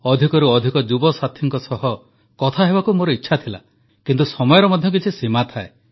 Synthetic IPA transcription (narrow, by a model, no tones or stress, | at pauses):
ɔd̪ʱikɔɾuɔd̪ʱikɔd͡ʒubɔsat̪ʰjɔŋkɔsɔɦɔ | kɔt̪ʰaɦebakumoɾɔitːʃʰat̪ʰila̰ | kint̪usɔmɔjɔɾɔmɔd̪ʱjɔk̬it͡ʃʰisimat̪ʰae